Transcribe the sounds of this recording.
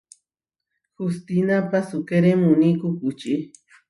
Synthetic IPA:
xust̪inapasukeɾemunikukut͡ʃi

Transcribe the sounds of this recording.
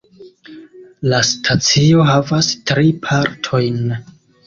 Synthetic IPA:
lastʰat͡sio̞ɦavastɾipʰaɾtʰo̞jn

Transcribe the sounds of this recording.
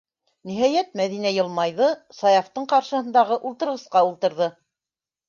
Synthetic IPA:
niɦæjæt̪mæðinæjɤ̆lˠmɑjðɤsɑjɑft̪ɤɴqɑɾʃɤ̆hɤ̆nd̪ɑʁɤʔulˠt̪ɤ̆ɾʁɤ̆sqɑulˠt̪ɤ̆ɾðɤ

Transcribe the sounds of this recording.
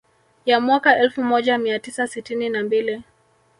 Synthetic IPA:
jamwakaʔɛlfumɔʄamiatisasitininambili

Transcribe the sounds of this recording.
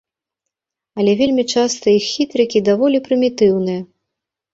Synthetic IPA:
ɐlʲɛvʲelʲmʲit͡ʂast̪ɐixːʲit̪ɾɨkʲid̪avɔlʲipɾɨmʲit̪ɨwnɨjɐ

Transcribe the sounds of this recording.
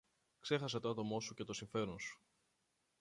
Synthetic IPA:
kse̞xɐs̬e̞t̪oɐt̪o̞mo̞suce̞t̪o̞siɱfe̞ɾonsu̥

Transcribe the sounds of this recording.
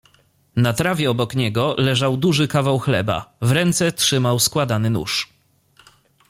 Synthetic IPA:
nat̪ɾavʲjɛɔbɔkɲɛɡɔlɛʐawd̪uʐɘkavawxlɛba̰vɾɛnt̪sɛtʂɘmawskwad̪anɘnṵʂ

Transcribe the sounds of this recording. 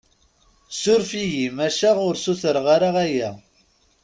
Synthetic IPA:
sʊɾfijimæʃæʁʊɾsuθəɾʁaɾaʁæjæ

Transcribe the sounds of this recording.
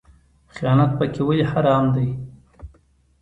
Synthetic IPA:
xijɑnat̪̚pəkewajihaɾɑmd̪aj

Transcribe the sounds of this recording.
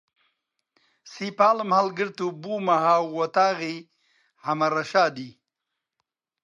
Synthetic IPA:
sipaːləmhalɡɪɾt̪ubuːmaɦaːwwɐt̪aːɣi | hɐmɐɾɐʃaːd̪i

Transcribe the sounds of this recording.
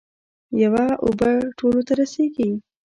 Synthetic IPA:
jawaʔobəʈʰolot̪aɾaseɡi

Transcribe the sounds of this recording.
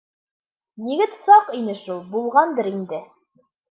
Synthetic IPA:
niɡɘt̪sɑqinɘʃulˠbulˠʁɑnd̪ɤɾind̪ɘ

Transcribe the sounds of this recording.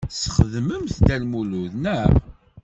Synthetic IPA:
səχðməmθd̪ælmuluðnəʁ

